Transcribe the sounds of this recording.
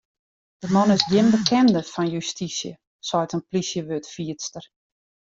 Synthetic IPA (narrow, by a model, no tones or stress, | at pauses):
d̥əmɔnɪsdjɪmbəkɛndəfɔnjystisjə̰ | sɔjtənplisjəʋøtfiətstər